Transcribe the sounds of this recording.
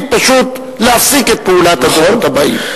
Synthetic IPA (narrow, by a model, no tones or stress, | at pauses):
pɐʃuːt̪ | laːfsikep̪uːlaːt̪ɐd̪ɔːɾt̪ɐba̰ːḭ